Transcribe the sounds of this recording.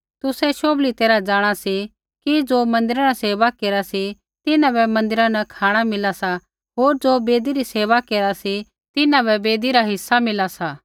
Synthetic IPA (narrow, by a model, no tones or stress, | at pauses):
t̪ʊsɛʃoːblit̪eːɾad͡ʒaːɽ̃asi | kid͡ʒoːmɐ̃nd̪ɪɾaɾaseːʋakeːɾasi | t̪ɪnãbɛmɐ̃nd̪ɪɾãnɐkʰaːɽ̃amɪlasa | ɦoːɾd͡ʒoːbeːd̪iɾiseːʋakeːɾasi | t̪ɪnãbɛbeːd̪iɾaɦɪsːamɪlasaː